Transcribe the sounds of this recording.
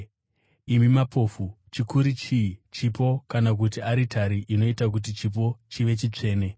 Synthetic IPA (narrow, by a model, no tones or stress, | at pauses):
imimapʰo̞ːfu | t͡ʃikuɾit͡ʃit͡ʃipo̞kanak̬ut̬iaɾitʰaɾiʔino̞itak̬ut̬it͡ʃip̬o̞t͡ʃiʋe̞t͡ʃit͡ʂe̞ːne̞